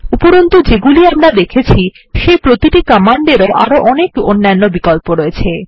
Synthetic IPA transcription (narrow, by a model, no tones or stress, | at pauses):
upoɾont̪od͡ʑeɡuliamɾad̪ekʰet͡ɕʰi | ʃejpɾot̪iʈikɔmaɳɖeɾoʔa̰ɾoʔɔnekonːajnːobikɔlpoɾɔet͡ɕʰe